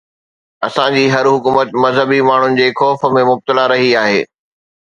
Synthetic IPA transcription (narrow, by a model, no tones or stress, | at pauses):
ɐsãd͡ʑiːɦɐɾɦʊkuːmət̪mɐzɦəbimaːɳ̤ʊnɪ̆d͡ʑeːxɔːfə̆mẽmʊb̚t̪əlaɾɐɦiaːɦeː